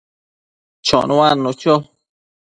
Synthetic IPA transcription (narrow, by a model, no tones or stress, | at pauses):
t͡ʃɔ̰̃ũãnũt͡ʃo